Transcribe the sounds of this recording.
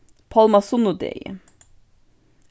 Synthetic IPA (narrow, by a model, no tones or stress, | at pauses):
pʰɑlmɑsʊnʊd̪ḛjə̰